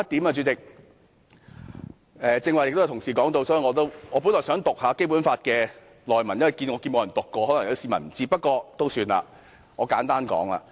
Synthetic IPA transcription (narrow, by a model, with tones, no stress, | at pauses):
ɐ˥t̚t̪i˨˥maː˧t͡ʃyː˨˥t͡sɪ˨k̚ | ʔɛː˨t͡sɪ˧ŋwaː˨˩jɪ˨k̚t̪o˥˨˩t̪ʰʊ˨˩ŋsiː˨˩kɔː˨˥ŋt̪o˧wsɔ˨˥iː˨˩ŋɔː˨˧t̪o˥wŋɔː˨˧pu˨˥nlɔː˨˩sœː˨˥ŋt̪ʊ˨k̚haː˨˧ke˥jp̬u˨˥nfaː˧t̚kɛː˧ | lɔː˨jmɐ˨˩nɲjɐ˥nwɐ˨˩jkiː˧nŋɔː˨˧ki˧nm˨˧jɐ˨˩nt̪ʊ˨kːɔː˧hɔ˨˦˥lɐ˨˩ŋjɐ˨˥siː˧˩mɐ˨˩nm̩˨˩t͡siː˧pɐ˥t̚kɔː˧t̪o˥wsyː˧na̰ː˨˧ | ŋɔː˨˧kaː˨˥nt̪aː˥nkɔ̰ː˨˥ŋla̰ː˧